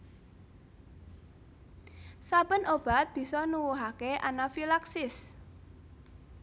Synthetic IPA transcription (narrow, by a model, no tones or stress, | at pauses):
sapənob̥a̤t̪̚b̥i̤sɔnuwuɦakeʔanafilaksɪs